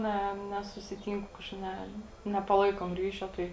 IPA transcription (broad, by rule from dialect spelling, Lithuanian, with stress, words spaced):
ˈnʲɛ nʲɛsʊsʲɪˈtʲiːŋkʊ ˈkɑːʃkɐɪp ˈnʲɛ nʲɛpɐˈlˠɐɪkoːm ˈrʲiːʃʲoː ˈtɐɪ